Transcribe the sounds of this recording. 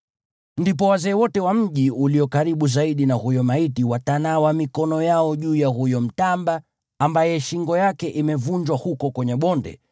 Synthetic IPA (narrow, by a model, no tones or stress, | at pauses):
ndip̬ɔwazɛːwɔtɛwam̩ʄiuliɔkaɾiɓuzaiɗinahujɔmaitiwatanawamikɔnɔjaɔʄuːjaɦujɔm̩tambaː | mbajɛʃiŋɡɔjakɛʔimɛvuɲd͡ʒwahukɔkwɛɲɛɓɔndɛ̰